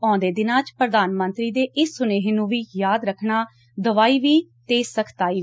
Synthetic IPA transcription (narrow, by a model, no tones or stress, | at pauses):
ɔ̃ːnd̪eːd̪ɪnãːt͡ʃpɾəd̪aːnmə̃nt̪ɾiːd̪eːʔɪsːʊneːɦenũːʋiːjaːd̪ɾəkʰnaː | d̪əʋaːiːʋiːt̪eːsəkʰt̪aːiːʋ